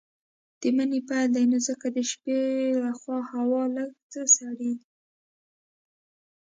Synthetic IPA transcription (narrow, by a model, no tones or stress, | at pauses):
d̪̥əmənepajld̪ajnozəkad̪əʃpelaxwɑhawɑləɡ̚t͡səsaɽed̪i